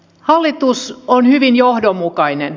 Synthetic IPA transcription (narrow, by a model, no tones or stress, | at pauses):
hɑlːit̪usonhyʋinjohdomːukɑinen